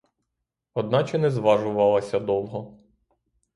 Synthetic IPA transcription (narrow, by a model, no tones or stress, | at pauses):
ɔd̪nɑt͡ʃɛnɛzʋɑʒʊʋɑlˠɐsʲɐd̪ɔlˠɦɔ